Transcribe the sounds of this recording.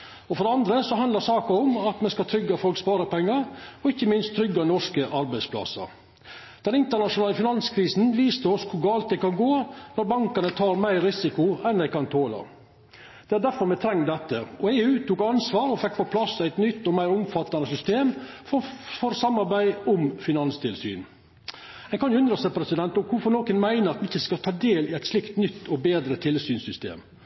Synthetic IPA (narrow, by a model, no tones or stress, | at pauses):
ɔfɔd̪ɛɑnd̪ɾəsɔɦɑnd̪ɑɾsɑːkəɾʊmɑt̪mɛskɑt̪ʰɾʏɡːɑfɔlkspɑːɾəpɛŋːɑɾɔɪçːəmɪnst̪ʰːɾʏɡːɑnɔʂkəʔɑɾbæɪspʰlɑ̰sɑ̰ɾ | d̪̥ɛnɪnt̪əɳɑʂʊnɑːləfɪnɑnskʰɾiːsn̩ʋiːst̪əɔskʰʊɾɡɑːlt̪̚d̪ɛɪkɑnɡoːnɔɾbɑŋkɑnət̪ʰɑːɾmæɪɾɾːɪsɪkʊɛnd̪æɪkɑnt̪ʰoːlɑ̰ | d̪̥ɛæɾɖ̪æɾfɔɾmɛt̪ʰɾɛŋːd̪ɛt̪ːəɔeːʉːt̪ʰuːkɑnsʋɑːɾɔfɛkːpɔpʰlɑsːæɪt̪nʏt̪ːɔmæɪɾʊmfɑt̪ːɑnəsʏst̪eːmfɔfɔɾsɑmɑɾbæɪʊmfɪnɑnst̪ʰɪlsy̰ːn | ɛɪkʰɑnjʊʉnd̪ɾəsɛpʰɾɛsɪd̪ɛnt̪ɔmkʰʊɾfɔɾnoːkənmæɪnəɾɑt̪mɪçːəskɑt̪ʰɑːd̪eːlɪæɪt̪slɪkt̪nʏt̪ːɔbeːd̪ɾət̪ʰɪlsyːnsʏst̪ḛːm